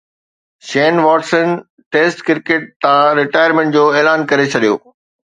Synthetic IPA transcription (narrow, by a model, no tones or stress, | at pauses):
ʃɛːnʋɔːʈsən | ʈeːsʈkɪɾkeːʈ̚t̪ãɾɪʈaːjəɾmẽɳʈ̚d͡ʑoːeːlaːnkɐɾet͡ɕʰɐɗijo̰ː